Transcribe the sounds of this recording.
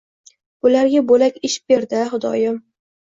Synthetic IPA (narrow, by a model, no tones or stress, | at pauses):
ʊlaɾɡʲabolakʲɪʃ̚beɾd̪ɪχʊd̪ɒ̰jɪm